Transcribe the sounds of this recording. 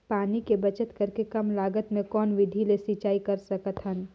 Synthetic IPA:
paːnikebɐt͡ʃət̪kɐɾkekɐmlaːɡət̪mẽkɔːnʋɪd̪ʱilesit͡ʃaːikɐɾsɐkət̪ɦən

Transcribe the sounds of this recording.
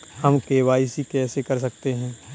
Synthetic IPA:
hɐmkeːʋaːisikɛːsekɐɾs̬ɐkt̪eɦɛ̃ː

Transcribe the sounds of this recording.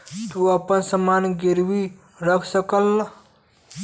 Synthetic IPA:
t̪uəpənsəmanɡiɾwi | ɾəkʰsəkəlː

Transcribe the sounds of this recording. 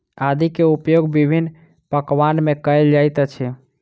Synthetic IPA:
ad̪ikeupjoɡbibʱinː | pəkʋanmẽkəjld͡ʒajt̪ət͡ʃʰɛ

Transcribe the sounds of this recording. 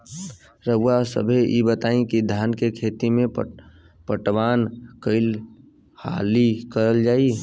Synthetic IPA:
ɾəwasə̰bʱeʔibət̪aːĩkid̪ʱjaːnkekʰeːt̪imẽ | pəʈwaːnkəɪl | ha̰ːlikəɾəld͡ʒaːi

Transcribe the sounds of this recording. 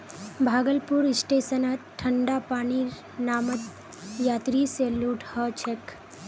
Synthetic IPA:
bʱaːɡəlpuːɾisʈesənat̪ʈʰːəɳɖapaɽ̃iː | namət̪ | jat̪ɾiseluʈhət͡ʃʰek

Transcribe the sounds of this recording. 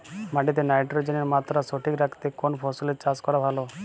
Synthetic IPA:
maʈit̪̬enajʈɾod͡ʒeneɾmat̪ɾasoʈʰikɾakʰt̪ekonpʰɔsulet͡ʃaskɔɾabʱalo

